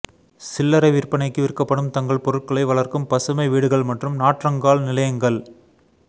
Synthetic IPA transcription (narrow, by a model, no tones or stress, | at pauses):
sɪlːɐɾɐɪʋɪrpɐnɐɪkːɯʋɪrkːɐpːɐɽɯmt̪ɐŋɡɐɭpɔɾɯʈ̚kɐɭɐɪʋɐɭɐrkɯmpɐsɯmɐɪʋiːɽɯɣɐɭmɐʈrɯmnaːʈrɐŋɡaːɭnɪlɐjɐŋɡɐɭ